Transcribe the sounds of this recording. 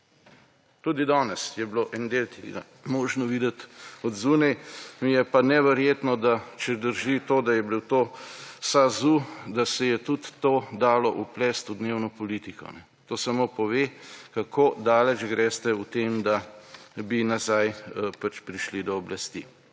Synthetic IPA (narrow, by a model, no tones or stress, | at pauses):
t̪uːd̪id̪ɔːnɛsjɛbloʔɛnd̪elk̪eɡa | moːʒnɔʋiːd̪ɛt̪ɔd̪zuːnɛjmijɛpanɛʋɛɾjeːt̪nɔd̪at͡ʃɛd̪əɾʒit̪oːd̪ajɛbiwt̪oːsazud̪asɛjɛt̪ut̪ːoːd̪aːlɔʔuplɛst̪ud̪neːwnɔpɔliːt̪ikɔ̰nɛ | t̪oːsamopɔʋeːkakoːd̪aːlɛd͡ʒɡɾɛːst̪ɛut̪eːmd̪abinazajpat͡ʃpɾiʃlid̪ɔːblast̪ḭ